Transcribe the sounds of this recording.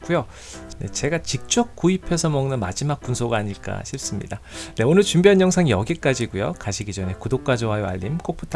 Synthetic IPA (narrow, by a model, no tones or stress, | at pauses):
k͈ujo | ne̞̰t͡ɕe̞ɡat͡ɕik̚t͡ɕ͈ʌk̚k͈uipʰe̞sʰʌmʌŋnɯnmad͡ʑimak̚k͈unsʰoɡaːɲiɭk͈a̰ɕʰiɭs͈ɯmɲḭdane̞onɯɭt͡ɕumbjʌɲjʌŋsʰaŋijʌɡik͈ad͡ʑiɡujo̰kaɕʰiɡid͡ʑʌne̞kudok̚k͈wad͡ʑoɦajoa̰ʎːimk͈opʰutʰ